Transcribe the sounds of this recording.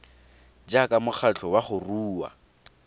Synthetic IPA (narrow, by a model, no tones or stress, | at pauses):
d͡ʒakʼamʊχʰat͡ɬʰɔwaχʊruːwa̰